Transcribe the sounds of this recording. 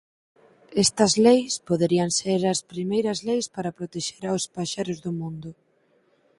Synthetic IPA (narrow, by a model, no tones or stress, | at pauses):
ɛst̪ɐzlejspoðeɾiɐŋseɾɐspɾimejɾɐzlejspaɾɐpɾot̪eʃeɾaospaʃeɾʊzðʊmũnd̪ʊ